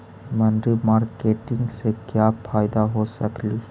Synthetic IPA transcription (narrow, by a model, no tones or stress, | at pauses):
mənd̪ɾimaɾkeʈiŋɡsekjapʰajd̪aɦosəkli